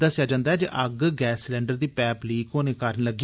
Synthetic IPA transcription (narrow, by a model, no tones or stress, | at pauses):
d̪əsɪjaːd͡ʒãːnd̪aːɛːd͡ʒ̰ʔəɡɡɛːslɛ̃ːɳɖəɾd̪iːpɛːpliːkoːneːkəɾənləɡi